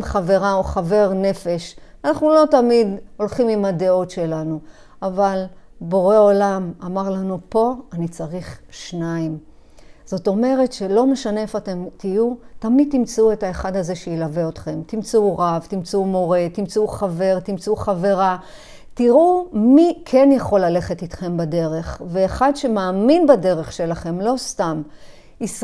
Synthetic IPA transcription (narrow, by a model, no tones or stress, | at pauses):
χave̞ʁaoχave̞ʁne̞fe̞ʃanaχnulo̞tamid̪o̞lχimimad̪eo̞tʃe̞lanu | avalbo̞ʁe̞o̞lamamaʁlanupo̞anit͡saʁiχʃnaim | z̥o̞t̪o̞me̞ʁe̞tʃe̞lo̞me̞ʃane̞efate̞mtijutamid̪̚t̪imt͡seue̞taeχad̪aze̞ʃejilaveo̞t̪χe̞mt̪imt͡seuʁavtimt͡sumo̞ʁe̞t̪imt͡seuχave̞ʁt̪imt͡seuχave̞ʁa | tiʁumikʰenjaχo̞lːale̞χetitχe̞mbade̞ʁe̞χveːχadʃe̞maːminbade̞ʁe̞χʃe̞laχe̞mlo̞stam | is